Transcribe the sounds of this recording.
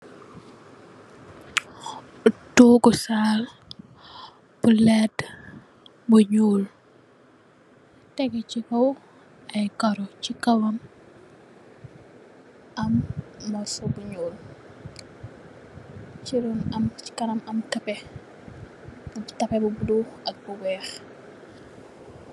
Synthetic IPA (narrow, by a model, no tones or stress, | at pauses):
utoːɡɔsaːl | b̥ulɛd | buɲuːl | tɛɡɛt͡ʃikɐw | ɐjkɐɾɔt͡ʃikɐwɐm | ɐmːɔsɔbuɲuːl | t͡ʃiɾɔnɐmt͡ʃi̥kɐnɐmɐmtɐpɛ | tɐpɛbubuduɐk̚buwɛːx